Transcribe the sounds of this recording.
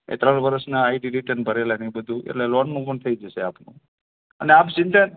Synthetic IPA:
ḛt̪ɾəɳʋəɾəsnaːiɖiɾiʈənbʱəɾelanĩbəd̪ʱũʔḛʈlelonmũpəɳt̪ʰəid͡ʒəʃeapnṵ̃ | ə̰neapd͡ʒɪ̃nt̪a

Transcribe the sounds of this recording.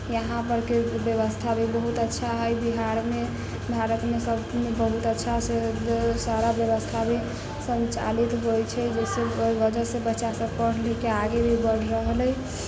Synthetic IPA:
jəɦãpəɾkebjəβəst̪ʰabʱibəɦut̪ətːʃʰaɦəjbiɦaɾme | bʱaɾət̪mesəbʱmebəɦut̪ətːʃʰasesaɾabjəbəst̪ʰabe | sənt͡ʃa̰lit̪ɦojt͡ʃʰɛd͡ʒɛseojbəd͡ʒəɾsebətːʃasəb̚pəɽ̤ləkeaɡebʱibəɽɾəɦləj

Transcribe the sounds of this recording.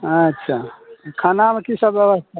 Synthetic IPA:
ətːʃʰakʰanamekisəbjəbəst̪ʰa

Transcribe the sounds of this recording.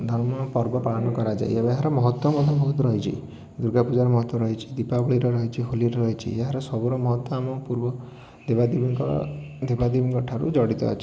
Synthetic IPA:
d̪ʱɔɾmɔɔpɔɾbɔpaɔnɔkɔɾad͡ʒa̰j̰ebɔeɦaɾɔmɔɦɔt̪wɔmɔt̪ʰɔbʱɔɦut̪ɾɔɦit͡ʃʰḭ | d̪uɾɡʱapud͡ʒaɾɔmɔɦɔt̪ːwɔɾɔɦjt͡ʃʰi̥d̪ipabɔɭiɾɔɾɔɦit͡ʃʰiɦoliɾɔɾɔɦit͡ʃʰḭeɦaɾɔsɔbuɾɔmɔɦɔt̪wɔamɔpuɾbɔ | d̪ebad̪ibiŋkd̪ebad̪ibɔŋkɔʈʰaɾṵd͡ʒɔɽit̪ɔ̰ɔ̰t͡ʃʰi̥

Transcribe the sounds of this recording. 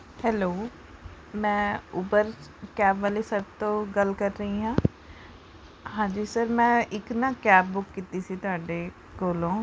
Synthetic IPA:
hɛːloː | mɛ̃ːʊbəɾkɛːpʋaːleːsəɾbt̪õːɡəlkəɾːəɦiːɦãː | ɦãːd͡ʒiːsəɾmɛ̃ːʔɪknaːkɛːp̚bʊkːiːt̪iːsiːt̪ʊaːɖeː | koːlõː

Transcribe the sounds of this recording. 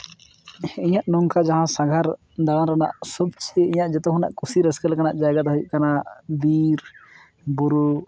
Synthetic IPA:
iɲaʔnɔŋkad͡ʒaɦãsaɡʱaɾ | d̪aãɾana̰ʔsɔbt͡ʃʰiiɲaʔd͡ʒɛt̪ɔɦuna̰ʔkusiɾɛskɛlkanaʔd͡ʒajɡad̪ɦɔjuʔ̚kanabiɾ | buɾu

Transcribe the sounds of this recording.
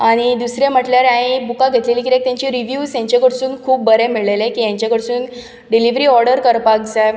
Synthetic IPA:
aɽ̃id̪usɾjam̤əʈljaɾãibukaɡʱet̪leliːkiɾekt̪jãɲt͡ɕiɾiʋjuːsjãɲt͡ɕekəɽsuːnkʰuːp̚bəɾemiɭelẽkiːjãɲt͡ɕakəɽsuːn | ɖiliʋɾiːɔɾɖəɾkəɾpakd͡zaj

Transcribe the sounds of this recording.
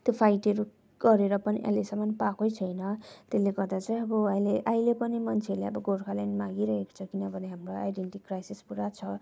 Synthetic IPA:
t̪jopʰajʈʌɾu | ɡ̥ʌɾeɾʌpʌniʔa̰ilesʌmʌnpakojt͡sʰʌjnʌt̪eleɡʌrd̪at͡saj̃ʌbʌajleʔajlepʌnimʌnt͡sʰeʌɾleʌbʌɡʱoɾkʰalajnmaɡiɾʌɦeko̥t͡sʰʌkinʌbʱʌneɦamroa̰jɖenʈikrajsispuɾat͡sʰʌ

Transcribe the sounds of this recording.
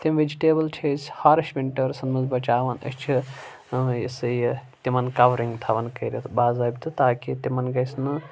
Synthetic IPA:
t̪imʋed͡ʒiʈeːbɐlʈʰesʲhaɾɐʃʋʲiɳʈɐɾsɐnmɐzbɐt͡ʃaːʋɐnɐ̰st͡ʃʰi | jḛsɨjt̪imɐnkɐʋɾiŋɡt̪ʰaʋɐnkɐɾʲet̪ʰbaːzɐːbʲt̪ɨt̪aːkit̪imɐnɡɐjsnɨ

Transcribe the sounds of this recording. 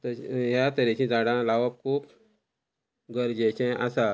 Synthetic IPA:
t̪əɦjat̪əɾet͡ɕĩd͡zaɽãlaʋəp̚kʰuːp | ɡəɾd͡ʑet͡ɕɛ̃ʔasa

